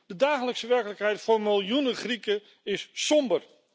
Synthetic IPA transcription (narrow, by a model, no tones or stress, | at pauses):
d̥ədaːχələksəʋɛɹkələkɦɛjtfʊːɹmɪlˠjunəχrikə | ɪssɔmbər